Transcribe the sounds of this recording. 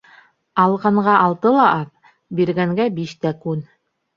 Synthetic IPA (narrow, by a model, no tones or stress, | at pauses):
ɑlˠʁɑɴɢɑʔɑlˠt̪ɤlˠɑʔɑθ | biɾɡæŋɡæbiʃt̪ækʉn